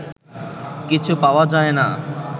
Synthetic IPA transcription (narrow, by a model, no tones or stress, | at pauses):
kit͡ɕʰupawad͡ʑaena